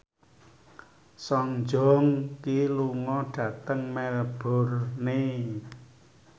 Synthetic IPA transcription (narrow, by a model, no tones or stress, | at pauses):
sɔŋd͡ʒɔ̤ŋkiluŋɔɖ̥ä̤t̪əŋmɛlb̥o̤rne